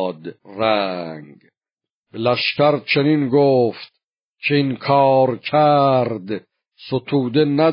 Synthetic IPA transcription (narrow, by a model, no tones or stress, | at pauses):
d̪ræŋɡ | b̥elæʃcæɾt͡ʃʰe̞ninɡoːft̪̚ | cʰeinkʰɒːɾcʰæɾd̪ | sot̪ʰuːd̪e̞næ